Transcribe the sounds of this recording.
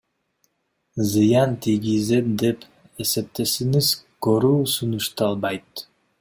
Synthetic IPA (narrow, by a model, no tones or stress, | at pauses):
zɨjɑnt̪ʰiɡizet̪d̪e̞p | e̞se̞p̚t̪e̞siŋizkoɾuːsunuʃt̪ɑlˠbɑjt̪